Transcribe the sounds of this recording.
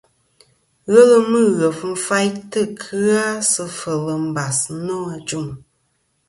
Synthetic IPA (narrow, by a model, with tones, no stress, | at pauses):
ɣə˦lɨ˦mɨ˦˨ɣə˨fn̩˦fa˦jtɨ˦˨kʰɨ˦a˦sɨ˧fə˨lɨ˨m̩˨ba˨snɔ˦a˨d͡ʒu˦˨m